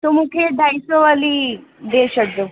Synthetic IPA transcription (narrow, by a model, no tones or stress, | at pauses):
t̪omũkʰed̪ʱajsoʋalid̪eɕəʈd̪o